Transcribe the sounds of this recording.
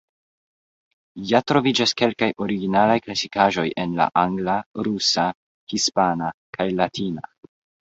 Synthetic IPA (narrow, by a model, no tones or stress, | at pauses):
jatɾo̞vid͡ʒaske̞lkajʔo̞ɾiɡinalajklasikaʒo̞je̞nla̰ʔaŋɡlaɾusa | hispanakʰajlatʰina̰